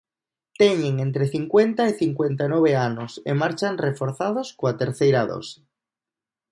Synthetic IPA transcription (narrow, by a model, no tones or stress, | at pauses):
t̪eɲeŋẽ̞nt̪ɾeθiŋkwe̞nt̪aiθiŋkwe̞nt̪anoβ̞eanosḛmaɾt͡ʃanrefoɾθað̞oskoat̪eɾθejɾaðo̰se̥